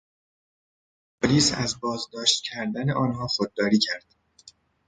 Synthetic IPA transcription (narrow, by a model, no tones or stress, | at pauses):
pʰoliːsæ̰zbɒːzd̪ɒːʃt̪̚cʰæɾd̪æneʔɒːnɦɒːxod̪̚ːɒːɾiːcʰæɾd̪̥